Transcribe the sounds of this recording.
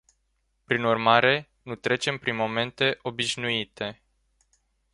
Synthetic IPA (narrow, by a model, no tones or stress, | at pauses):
pɾinurmaɾe̞ | nut̪ɾe̞t͡ʃe̞mpɾinmo̞me̞nt̪e̞ʔo̞biʃnuit̪ʰe̞